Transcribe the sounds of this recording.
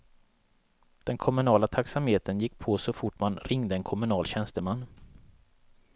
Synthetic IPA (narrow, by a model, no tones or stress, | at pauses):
d̪̥ɛnkʰɔmɵnɑːlat̪ʰaksamheːt̪ʰənjɪkːpʰosɔfʊʈːmanɾɪŋd̪əɛnkʰɔmɵnɑːlɕɛnst̪əmanː